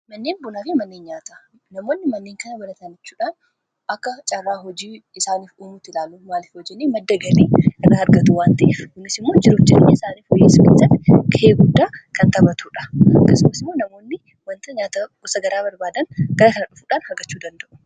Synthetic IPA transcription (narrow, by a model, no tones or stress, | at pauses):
mɐnːeːnbʊnaːfɪmɐnːeːnɲaːt̪ɐ | nɐmo̞ːnːɪmɐnːeːŋkɐnɐbɐnɐt̪and͡ʒɛt͡ʃːuːᶑaːn | ʔɐkːɐt͡ʃʼɐrːaːɦɔd͡ʒiːɪsaːniːfuːmut̪ːɪlaːlːuːmaːliːfhɔd͡ʒːɛnːeːmɐd̪ːɐɡɐleːkɐnaɐɾɡɐt̪uwaːnt̪ɐʔɪfkʊnɪsɪmːo̞ːd͡ʒɪɾuːfd͡ʒɪnneɪsaːniːfhɔjːeːsɐkḛsɐnkɐeːɡʊd̪ːaːkɐnt̪ɐbɐt̪ʰuːᶑɐ̥ɐkːɐsʊmɐsɪmːo̞ːnɐmo̞ːnːɪ | wɐnt̪ɐɲaːt̪ɐɡʊsɐɡɐɾaːbɐɾbaːd̪ɐnɡ̥ɐɾɐkɐnɐᶑʊfuːᶑaːnhɐɡɐt͡ʃːuːd̪ɐnd̪ɐʔʊ̥